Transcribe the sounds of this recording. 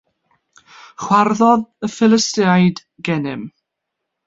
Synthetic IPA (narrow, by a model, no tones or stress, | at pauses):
χwarðɔðəfɪlˠɪstɪajd | ɡɛnɪm